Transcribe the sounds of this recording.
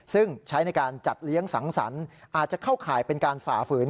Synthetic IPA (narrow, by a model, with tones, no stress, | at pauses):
sɯ˥˩ŋt͡ɕʰa˦˥jna˧jkaː˧nt͡ɕa˨˩t̪̚li˦˥əŋsa˩˦ŋsa̰˩˦nʔaː˨˩t̪̚t͡ɕa˨˩kʰa˥˩wkʰaː˨˩jpe˧nkaː˧nfa̰ː˨˩fɯː˨˩˦n